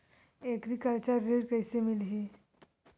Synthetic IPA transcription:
ekɾikalt͡ɕaɾeɽkəjsemilɦe

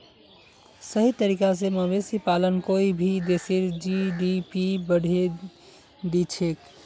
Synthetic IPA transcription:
səɦit̪əɾiːkas̬eməbesipalənkoibʱid̪eseɾd͡ʒiɖipibəɽ̤ʱe | d̪it͡ʃʰek

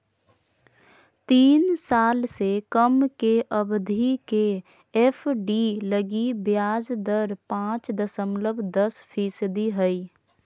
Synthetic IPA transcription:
t̪iːnsaːlsekəmkeʔəbd̪ʱike | ɛfʰɖiləɡibjaːd͡ʒd̪əɾpãːt͡ʃd̪əsəmləbʱd̪əspʰiːsəd̪iɦəi

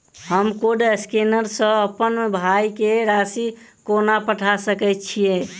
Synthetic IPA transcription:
həmkoɖskenəɾsə̃əpənbʱaikeɾasikonapəʈʰasəkɛt̪̚t͡ʃʰije

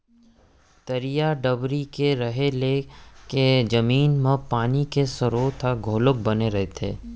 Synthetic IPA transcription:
t̪ɐɾijaɖɐbɾikeɾɐɦeleked͡ʒɐmiːnmɐ̃paːnikesʊɾoːt̪ʰaɡʱoːlʊk̚bɐneɾɐɦet̪ʰḛː

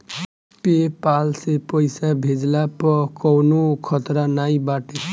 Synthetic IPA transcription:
pepalsepʌjsabʱed͡zlapɔkɔwnokʰʌt̪ɾanajbaʈe

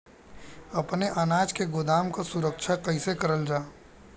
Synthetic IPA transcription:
ɐpneʔanaːd͡ʒkeɡʊd̪aːmkasʊɾəkʃʰakɐɪsekəɾəld͡ʒaː

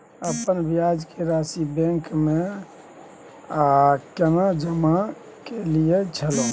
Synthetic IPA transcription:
əpənbijad͡ʒkʰeɾasibẽŋkme | akenad͡ʒəma | keliet͡ʃʰəlo

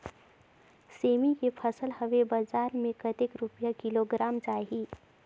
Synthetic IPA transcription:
seːmikepʰəsəlhəʋebəzaːɾmẽkət̪ekɾupjakɪloɡɾaːmt͡ʃaːɦiː

